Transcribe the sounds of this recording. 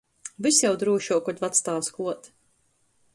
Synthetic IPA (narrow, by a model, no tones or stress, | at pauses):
visjawd̪ɾuːʃuɔkɔt̪ʲvat̪st̪aːwskuɔt̪